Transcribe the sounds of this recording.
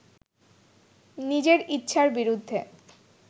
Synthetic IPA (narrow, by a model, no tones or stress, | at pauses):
nid͡ʑeɾitːɕʰaɾbiɾud̪ʱːe